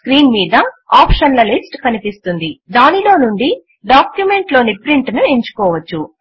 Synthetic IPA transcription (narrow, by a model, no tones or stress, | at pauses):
skɾiːnmiːd̪ɐaːpʂɐnlɐlisʈkɐnipist̪und̪id̪aːnilo̞ːnuɳɖi | ɖaːkjume̞ɳʈlo̞ːnipɾiɳʈnueɲt͡ʃu̥kɔːʋɐt͡ʃːu